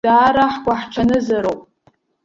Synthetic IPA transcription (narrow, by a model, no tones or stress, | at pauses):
daːɾaħɡʷaħʈ͡ʂʷʰanɨzaɾopʼ